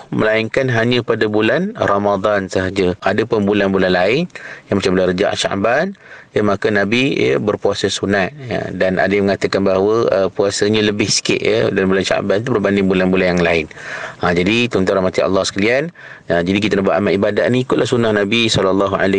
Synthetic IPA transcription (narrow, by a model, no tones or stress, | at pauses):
mə̰laiŋkanɦaɲə̃padabulanramad̪ˤansəɦad͡ʒəadapʊnbulanbulanlaɪnjamət͡ʃambəlarəd͡ʒa̰ʔʃa̰ʔbanjəmakənabijə̰bərpuasəsunat̪̚ja̰dana̰daməŋat̪əkanbaɦawəəpuasəɲələbɪhsi̥kɪ̰ʔ̪jə̰dalambulanʃa̰ʔbant̪̬ubərbandɪŋbulanbulanjaŋlaɪnad͡ʒadit̪ɔnt̪ɔɾahmat̪iɑ̰lːɑhsə̥kalian | ad͡ʒadik̬it̪anahbuaʔamaʔibadat̪nĩikʊtʔ̪lahsunahnãbisɔlalːɑɦua̰la